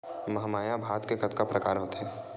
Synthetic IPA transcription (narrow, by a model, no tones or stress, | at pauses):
mɐɦmaːjabʱaːt̪kekɐt̪kapɾʔɐkaːɾɦoːt̪ɦɛː